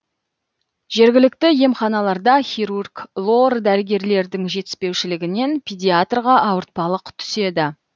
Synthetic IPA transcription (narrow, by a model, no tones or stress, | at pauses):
ʒ̥e̞ɾɡʲɪlɪkt̪ɪje̞mχɑnɑlˠɑɾd̪ɑχʲiɾurɡlˠo̞rd̪æɾɪɡʲe̞ɾle̞ɾd̪ɪŋʒe̞t̪ɪ̥spe̞wʃɪlɪɡʲɪne̞npʰʲid̪ʲijat̪rʁɑʔɑwəɾt̪̚pɑlˠəqt̪ʰʏ̥se̞d̪ɪ